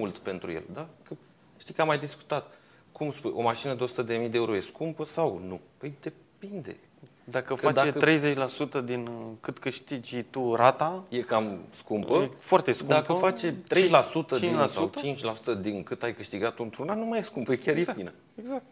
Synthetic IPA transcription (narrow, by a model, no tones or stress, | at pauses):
mult̪pe̞nt̪ɾṵjḛld̪akə | ʃt̪ijkamajd̪isku̥t̪at̪ | kumspujo̞̰maʃinəd̪eo̞su̥t̪əd̪e̞mijd̪eeuɾojeskumpəsawnupəjd̪e̞ | pind̪e̞̰ | d̪akəkad̪et̪ɾe̞jze̞t͡ʃʲlasut̪əd̪inkɨt̪kɨʃt̪id͡ʒt̪uɾat̪ajekamskumpəefoart̪eskud̪mapəfat͡ʃet̪ːɾejlasut̪əiinlasaṵw̪ət͡ʃint͡ʃʲlasu̥t̪əd̪iŋkɨt̪ajkɨʃt̪iɡat̪unt̪ɾunannumajeskumpəjekʲaɾjet̪inə | eɡzak̚t̪